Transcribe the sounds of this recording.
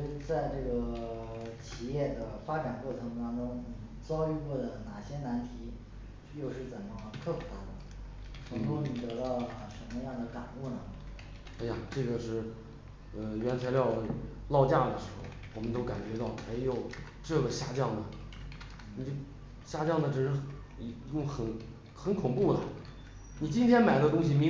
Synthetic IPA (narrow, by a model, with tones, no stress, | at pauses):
t͡sa˥˧ɪʈ͡ʂɤ˥˩ɡə˩ | t͡ɕʰi˨˩jɛ˥˩d̪ə˩fa˥ʈ͡ʂa˨˩nkwɔ˥˩ʈ͡ʂʰɤ˧˥ŋt̪ɑ˥ŋʈ͡ʂʊ˥ŋ̩˥˩t͡sɑ˥ʊy˥˧kwɔ˥˩d̪ə˩na˨˩ɕjɛ˥na˧˥nt̪ʰi˧˥ | jo˥˧ʊʂɻ̩˥˩t͡sə˨˩nmə˦kʰɤ˥˩pʰu˨˧˩t̪ʰa˥˩d̪ə˩ | t͡sʰʊ˧˥ŋt̪u˥ni˨˩t̪ɤ˧˥t̪ɑ˥˩ʊ˩ʂə˧˥nmə˧jɑ˥˩ŋd̪ə˩ka̰˨˩nu˥˩nə˩ | a˧˥ɪja˨˩ʈ͡ʂɤ˥˩ɡə˩ʂɻ̩˥˩ | ə˧ɥɛ˧˥nt͡sʰa˧˥ɪljɑ˥˩ʊlə˩lɑ˥˧ʊt͡ɕja˥˩d̪ə˩ʂɻ̩˧˥xo̰˥˩ʊwɔ˨˩mə˦nt̪̬o˥ʊka˨˩nt͡ɕɥɛ˧˥t̪ɑ˥˩ʊme˧˥ɪjo˨˩ʊ | ʈ͡ʂɤ˥˩ɡə˩ɕja˥˧t͡ɕjɑ˥˩ŋd̪ə˩ | ni˨˩˥ | ɕja˥˧t͡ɕjɑ˥˩ŋd̪ə˩ʈ͡ʂɻ̩˨˩ʂɻ̩˥˩˧ | t͡ɕʊ˥˩ŋxə˧˩n | xə˧˥nkʰʊ˨˩ŋpu˥˩lə̰˩ | ni˨˩t͡ɕi˥nt̪ʰjɛ˥nma˨˩ɪlə˦˧t̪ʊ˥ŋɕi˨˩mi˧˥